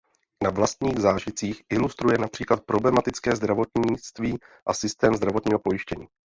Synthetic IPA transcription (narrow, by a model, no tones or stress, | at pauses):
navlast̪ɲiːɣzaːʒɪt͡siːxʔɪlust̪ɾujɛnapr̝̥iːklat̪̚pɾo̞blɛmat̪ɪt͡skɛːzd̪ɾavo̞t̪ɲɪt͡st̪viːʔasɪst̪ɛːmzd̪ɾavo̞t̪ɲiːɦo̞po̞jɪʃcɛɲiː